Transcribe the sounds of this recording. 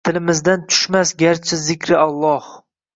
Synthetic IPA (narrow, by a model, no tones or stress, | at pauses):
t̪ʰɪlɪmɪzd̪ant̪ʰʊ̥ʃmasɡʲaɾt͡ʃʰɪzɪkʲʰɾɪalˠːɒh